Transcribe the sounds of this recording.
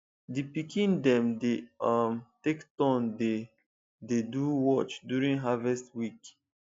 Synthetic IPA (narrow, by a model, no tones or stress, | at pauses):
dipikĩndɛ̃mdeʌmtektɔ̃nde | deduwɔt͡ʃdjuɹĩŋɦavɛstwik